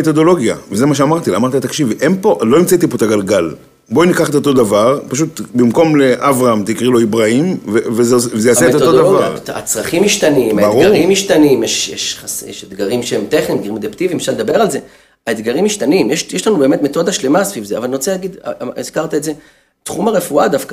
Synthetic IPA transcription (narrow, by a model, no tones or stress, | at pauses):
et̪o̞d̪o̞lo̞ɡja̰vezemaʃ̬eamaʁt̪ilamaʁt̪iat̪akʃivʔempo̞ʔlo̞imt͡sait̪ipot̪aɡalɡal | bo̞inikaχet̪o̞t̪̬o̞d̪avaʁpaʃut̪bimko̞mle̞ʔavʁaamt̪ikʁilo̞ibʁaimvevezevezejaet̪ood̪avaʁa̰t͡sʁaχimiʃt̪animbaʁuʁimiʃt̪animjeʃjḛʃasjḛʃet̪ɡaʁimʃeemt̪eχnimd̪ɡiʁimed̪ept̪ivimʃaʁled̪abe̞ʁalze̞ | aed̪ɡaʁimiʃt̪animjeʃjeʃlanube̞ːme̞t̪me̞t̪o̞d̪aʃle̞masvivzea̰valnʁot͡selaɡid̪iz̥kaʁt̪aetze̞ | t̪χumaʁefuad̪afka